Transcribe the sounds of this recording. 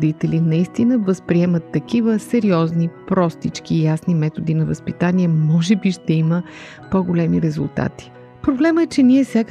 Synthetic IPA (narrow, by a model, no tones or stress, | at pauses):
d̪it̪ɛlinɐist̪inəvəspɾiɛmət̪ːɐkivəsɛɾiɔznipɾɔst̪it͡ʃkiːjasnimɛt̪od̪inɐvəspit̪aniɛmɔʒɛbiʃt̪ɛimə | poɡolɛmiɾɛzṵlˠt̪a̰t̪i̥ | pɾoblɛməɛt͡ʃɛniɛfsʲjak